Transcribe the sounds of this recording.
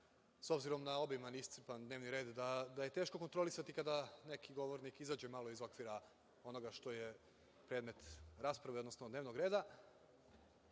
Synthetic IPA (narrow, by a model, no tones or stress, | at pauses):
so̞bziɾo̞mnao̞bimanist̪sipand̪neʋniɾe̞ːd̪d̪ad̪aje̞t̪e̞ːʃko̞ko̞nt̪ɾo̞lisat̪ikad̪ane̞kʰiɡo̞ʋoɾnikizaːd͡ʑe̞maːlˠo̞izo̞kʋiɾa | o̞no̞ɡaʃt̪oje | pɾe̞ːd̪me̞t̪ɾaːspɾaʋeod̪no̞snod̪neːʋnoɡɾe̞ːd̪a